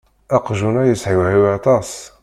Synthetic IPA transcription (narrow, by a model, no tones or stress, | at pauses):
æqʒunæjəsʕiwʕiwɑt̪ˤɑsˤ